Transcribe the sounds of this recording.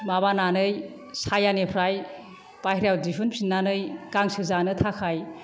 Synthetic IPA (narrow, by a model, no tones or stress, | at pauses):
maβananɯj | sajanepʰɾaj | pahɾjawdipʰɯnpʰinːanɯjkaŋsɯzanɯtʰakʰaj